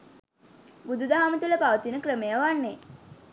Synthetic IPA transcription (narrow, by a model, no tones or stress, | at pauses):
bud̪ud̪aɦamət̪uləpaʋət̪inəkrəmejaʋanːe